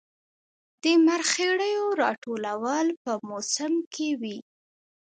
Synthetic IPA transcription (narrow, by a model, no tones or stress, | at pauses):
d̪̥əmaɾxeɽəjoɾɑʈolawəlpəmosəmkʰewi